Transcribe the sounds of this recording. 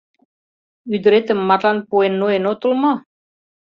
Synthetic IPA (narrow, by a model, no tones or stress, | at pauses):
yd̪ɾet̪əmːaɾlanpuenːoenot̪ulmɔ